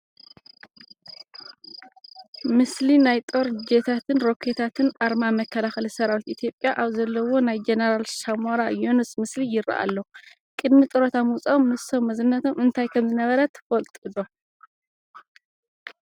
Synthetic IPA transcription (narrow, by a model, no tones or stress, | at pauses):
mɨslinajt̪ʼo̞ɾd͡ʒet̪ʰat̪ʰɨnɾo̞kʰet̪ʰat̪ʰɨnʔaɾmamɐkʰːɐlaxɨlisɐɾawit̪it̪ʰjo̞pʼːjaʔaβzɐlːɐwo̞najd͡ʒeneɾalʃamoɾajo̞nusmɨslijɪɾa̰ʔa̰lːo | kʼɨd̪mit̪ʼɨɾot̪ʰamɨwt͡sʼaomnɨso̞mːɐzɨnːɐt̪ʰo̞mɨnt̪ʰajkʰɐmzɨnɐβɐɾɐt̪ʰːfɐlt̪ʼɨd̪o̞